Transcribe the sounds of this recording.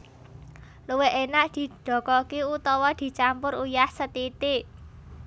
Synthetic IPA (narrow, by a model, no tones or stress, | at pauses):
luweʔenaʔd̪̥i̤ɖ̪̥ɔ̤kɔkiut̪ɔwɔd̪̥i̤t͡ʃampʊɾujahsət̪it̪i